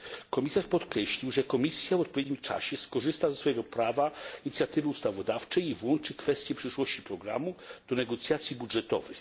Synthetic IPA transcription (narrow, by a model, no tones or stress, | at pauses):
kɔmʲisaʂpɔt̪kɾɛɕlʲiwʐɛkɔmʲisʲjavɔt̪̚pɔvʲjɛd̪ɲimt͡ʂa̰ɕɛskɔʐɘst̪azɛsfɔjɛɡɔpɾavaiɲit̪sʲjat̪ɘvɘust̪avɔd̪aft͡ʂɛjivwɔnt͡ʂɘkfɛst̪ʲjɛpʂɘʂwɔɕt͡ɕipɾɔɡɾa̰mud̪̥ɔnɛɡɔt̪sʲjat̪sʲjibudʐɛt̪ɔ̰vɘx